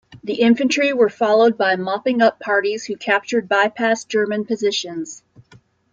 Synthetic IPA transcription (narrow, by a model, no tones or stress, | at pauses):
ðiʔɪ̃ɱfɨ̃nt͡ʃɹ̥iwə˞fɑlˠoʊd̚baɪmɑpɪ̃ŋʌpʰɑɹɾiz̥hʉkʰæp̚t͡ʃə˞d̚baɪpʰæsd̥ʒ̥ɜ˞mɨ̃npɨzɪʃɨ̃nz̥